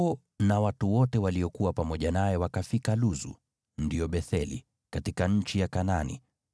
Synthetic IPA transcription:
ɔ | nawatuwɔtɛwaliɔkuwapamɔʄanajɛwakafikaluzṵ | ndiɔɓɛθɛlḭ | katikaɲ̩t͡ʃijakananḭ

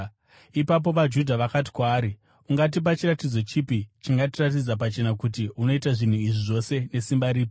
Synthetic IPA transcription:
ipap̬o̞ʋad͡ʒudʱaʋakati̥kwaːɾi | uŋɡat̬ip̬at͡ʃiratid͡zo̞t͡ʃipit͡ʃiŋɡatirat̬id͡zap̬at͡ʃe̞nakutiuno̞itaʐin̤uiʐiʐo̞se̞ne̞simbaɾiːpi

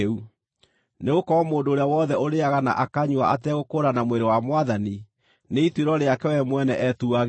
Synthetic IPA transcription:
u | neɣokɔːmoːndoːɾejawɔːðɛoɾeaɣana̰ʔakaɲwa̰atɛɣokoːɾanamweɾewamwaðani | neitwiɾɔɾeakɛwɛmwɛnɛʔɛtuaɣ

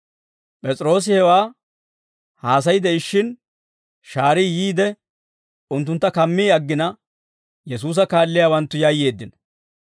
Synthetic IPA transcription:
pʼɛt͡sʼɪɾo̞ːs̬ɪhɛwaː | haːs̬ɐjɪd̪ɛɪʃːɪn | ʃaːɾijiːd̪ɛ | ʊnt̪ːʊnt̪ːɐkɐmːiːɐɡːɪnɐ | jɛsuːs̬ɐkaːlːɪjaːwɐnt̪ːʊjajːe̞ːd̪ːɪnɐ

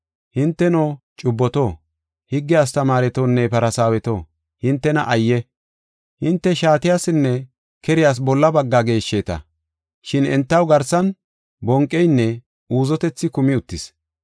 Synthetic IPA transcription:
hɪnt̪ːɛnoː | t͡ʃʼʊbːɔt̪oː | hɪɡːɛɐs̬t̪ɐmaːɾɛt̪onːɛpɐɾɐsaːwɛt̪oː | hɪnt̪ːɛnɐ̰ʔɐjːɛ | hɪnt̪ːɛʃaːt̪ɪjaːsɪnːɛ | kɛɾɪjaːs̬bɔlːɐbɐɡːaːɡe̞ːʃːeːt̪ɐ̰ | ʃɪnɛnt̪ːɐwɡɐɾsɐn | bɔŋkʼːɛjnːɛ | uːzɔt̪ɛt͡sːɪkʊmɪʊt̪ːɪs

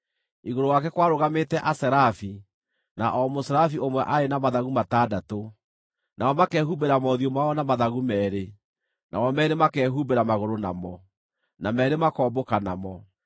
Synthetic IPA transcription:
iɣoɾowakɛkwaɾoɣametɛʔasɛɾafi | naʔɔmosɛɾafiomwɛʔaɾenamaðaɣumataːdato | naɔmakɛːɦubeɾamɔðiomaɔnamaðaɣumɛːɾe | nʔa̰wɔmɛːɾemakɛːɦuːbeɾamaɣoɾona̰mɔ | namɛːɾemakɔːbokanamɔ

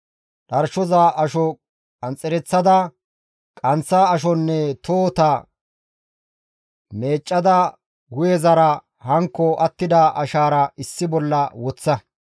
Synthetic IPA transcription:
ᶑɐɾʃɔzaːʔɐʃɔ | kʼɐnt͡sʼːɛɾɛt͡sːɐd̪ɐ | kʼɐnt͡sːaːʃ̬ɔnːɛt̪oːt̪ɐ | me̞ːt͡ʃʼːɐd̪ɐ | hʊjezɐɾɐ | hɐŋkːɔʔɐt̪ːɪd̪aʔɐʃaːɾɐɪsːɪbɔlːɐwɔt͡sːɐ

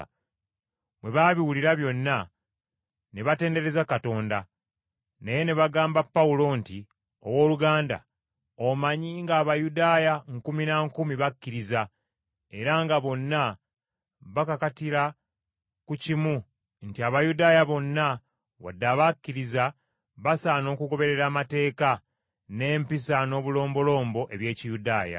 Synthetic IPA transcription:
mwe̞βaβiwuliɾaβjo̞nːa | ne̞βate̞ːnde̞ɾe̞zakato̞ːnda | neje̞ne̞βaɡaːmbapːawulo̞nti | o̞̰wo̞ːluɡaːnda̰ | omaɲiŋɡaːβajudaːjaŋkuminaŋkumiβakːiɾiza | e̞ɾaŋɡaβo̞nːa | βakakatiɾa | kucimu | ntiaβajudaːjaβo̞nːa | βa̰dːaːβakːiɾiza | βasano̞ːkuɡo̞βe̞ɾe̞ɾaːmate̞ːka | ne̞ːmpisano̞ːβulo̞ːmbo̞lo̞ːmbo̞ʔe̞βje̞ːcijudaːja̰

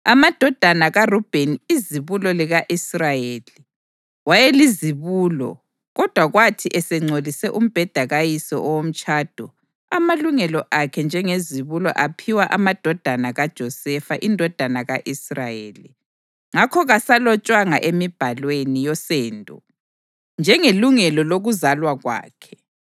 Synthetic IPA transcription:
amad̥ʱɔd̥ʱanaɣarub̥ʱeniiziβulɔliɣaʔisrajeːli | wajeliziβuːlɔ̰ | ɣɔd̥ʱwaɣwatʰiʔɛsɛŋ͡ǀolisɛʔum̩b̥ʱɛd̥ʱaɣajisɔʔɔwom̩t͡ʃʼaːd̥ʱɔ | amaluŋɛlɔʔakʰɛnd͡ʒʱɛŋeziβulɔ̰ʔapʰiwaʔamad̥ʱɔd̥ʱanaɣad̥ʒ̥ʱɔsɛfaʔindʱɔd̥ʱanaɣaʔisrajḛːli | ŋakʰɔɣasalɔt͡ʃʼwaŋa̰ʔemib̥ʱalwenijɔsɛːndʼɔ | nd͡ʒʱɛŋeluŋɛlɔloɣuzalwaɣwa̰ːkʰɛ̥

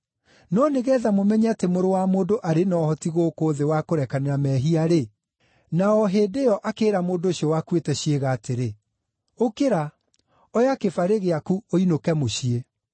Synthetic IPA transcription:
nɔneɣɛːðamomɛɲɛatemoɾowamoːndoʔaɾenɔhɔtiɣoːkoːðewakoɾɛkaneɾamɛɦiaɾe | naɔɦeːdejɔʔakeːɾamoːndoɕiɔwakwetɛɕieɣaːteɾe | okeɾa | ɔjakefaɾeɣeakuoinokɛmoɕie

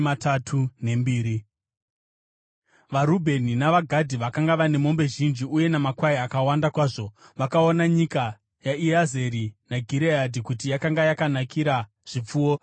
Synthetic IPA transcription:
matʰatʰune̞mbiːɾi | ʋaɾubʱe̞ninaʋaɡʱadʱiʋakaŋɡaʋane̞mo̞mbe̞ʒind͡ʒiuje̞namakwaiakawandakwaːʐo̞ʋakaonaɲika | jaiaze̞ɾinaɡʱiɾeadʱikutijakaŋɡajakanakʰiɾa | ʐ̥ip͡fuwo

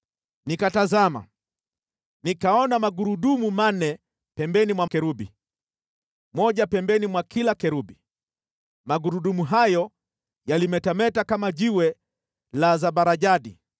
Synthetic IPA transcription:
nikatazama̰ | nikaɔnamaɡuɾuɗumumanɛ | pɛmbɛnimwakɛɾubi | mɔʄapɛmbɛnimwakʰilakɛɾubi | maɡuɾuɗumuɦajɔ | jalimɛtamɛtakamaʄiwɛ | lazabaɾaʄaɗḭ

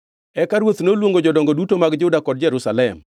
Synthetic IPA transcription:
ɛkaɾwot̪nolwoŋɡod͡ʒɔdɔŋɡodutomaɡd͡ʒudakɔd̚d͡ʒɛɾusalɛm

